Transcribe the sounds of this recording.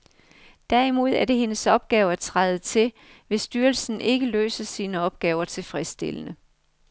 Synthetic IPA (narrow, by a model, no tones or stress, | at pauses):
d̥æɐimo̝ð̞̰ˠæɐɾe̝ɦe̝nəsɒ̽b̥̚ɡ̥ɛːʊɐt͡sʰʁɑɪð̩ˠt͡sʰe̝l | ʋe̝sd̥yːɐlsn̩ʔe̝ɡ̥əlø̰ːsəsiːnəɒ̽b̥̚ɡ̥ɛːʊɐt͡sʰe̝fʁɛsd̥e̝̰lənə